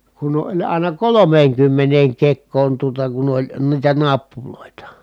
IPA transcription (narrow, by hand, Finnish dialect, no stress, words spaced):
kun olʲ ɑˑinɑ kolomeːŋkymːeneːŋ kekˑoːn tuotɑ kun olʲ niːtæ nɑpːuloˑitɑ